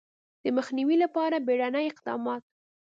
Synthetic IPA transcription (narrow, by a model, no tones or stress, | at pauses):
d̪̥əməxniwilapɑɾabeɽanajɪqd̪ɑ̰mɑt̪̚